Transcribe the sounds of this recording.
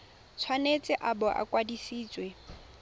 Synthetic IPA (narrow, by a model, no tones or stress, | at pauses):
t͡sʰwanet͡sʼɪʔabɔʔa̰kʼwadisiːt͡sʼwe